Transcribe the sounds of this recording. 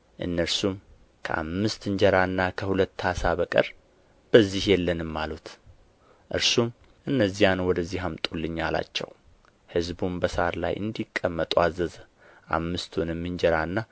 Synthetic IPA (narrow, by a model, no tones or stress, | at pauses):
ʔɨnːəɾsum | kʰəʔa̰mːɨst̪ɨɲd͡ʒɛɾaɨnːakʰəhulət̪ːhasaβəkʼə̰ɾ | b̥əzːihjɛlːənɨmːalut̪ | ʔɨɾsum | ʔɨnːəzːijanwɔd̪əzːiɦamt̪ʼulːɨɲːala̰t͡ʃːɛ̰w | hɨzbumbəsaɾla̰jʔɨ̰nd̪ikʼːəmːət̪ʼuazːəz | ʔa̰mːɨst̪ʰunɨmːɨɲd͡ʒɛɾanːa